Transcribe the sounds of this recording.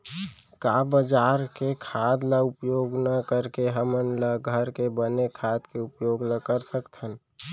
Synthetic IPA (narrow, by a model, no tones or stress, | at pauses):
kabəd͡ʒaːɾkekʰad̪laʊpjoːɡnəkəɾkeɦəmənləɡʱəɾkebənekʰad̪keʊpjoːɡləkəɾsəkt̪ʰən